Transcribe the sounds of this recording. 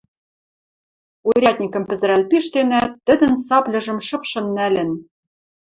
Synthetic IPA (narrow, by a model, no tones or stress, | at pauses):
oɾʲɑt̪̚ʲnʲikɤ̆mpɘ̆zɘ̆ɾælʲpiʃt̪enæt̪ːɘ̆d̪ɘ̆nsɑplʲɤ̆ʒɤ̆mʃɤ̆pʃɤ̆nːælʲɘ̆n